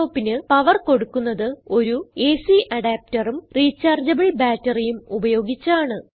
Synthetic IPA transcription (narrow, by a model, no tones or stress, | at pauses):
oːpːinɨpɐʋɐrko̞ɽukːunːɐðɨo̞ɾueːsiʔɐɽaːp̚tɐrumriːt͡ɕːaːrd͡ʑɐbɐɭibaːtːɐrijumubɐjo̞ːɡit͡ɕːɐaːɳɨ